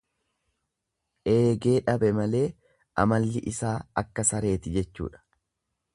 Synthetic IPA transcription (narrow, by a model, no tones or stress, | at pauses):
ʔe̞ːɡe̞ːᶑɐbɛmɐle̞ː | ʔɐ̰mɐlːɪʔɪsaːɐkːɐsɐɾe̞ːt̪ɪd͡ʒɛt͡ʃːṵːᶑɐ̥